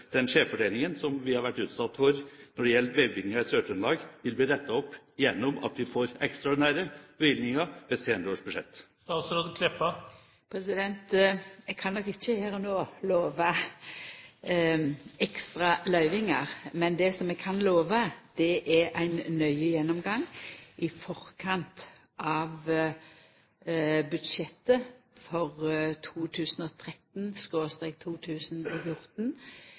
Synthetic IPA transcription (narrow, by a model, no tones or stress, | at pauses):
d̪̥ɛnʂeːffɔɖeːlɪŋənsɔmʋɪhɑɾʋæʈːʉːt̪sɑt̪ːfɔɾnɔɖ̪ɛjɛləʋeʋɪɡnəɾɪsøːʈʉnlɑːɡʋɪlbiːd̪ɛt̪ːəɔpː | jɛnːʊmɑ̰t̪ʋɪfoːɾɛkst̪ɾɑɔd̪ɪnæɾəbɪlnɪŋəʋɛseːnəɾəoːʂbʉʂɛ̰t̪ː | kɑsɔɾoːd̪kʰlɪpːɑ | pʰɾɛsɪd̪ɛnt̪ɛɡ̚kʰɑnːɔkɪçːəhæːɾɔnoːloːʋə | ɛkst̪ʁɑlœʏʋɪŋəʁmɛnd̪ɛsɔmɛɡkʰɑnloːʋəd̪̥ɛʔɛʔæɪnnœʏəjɛnːɔmɡɑŋːʔɪfɔʁkʰɑnt̪ | ʔɑʋ | bʉd̪ʃɛt̪ːəfɔʁt̪ʰuːt̪ʰʉːsənɔːt̪ʰʁɛt̪nskoːst̪ɛɪk̚t̪ʰuːt̪ʰʉːsənɔfjʊɾt̪n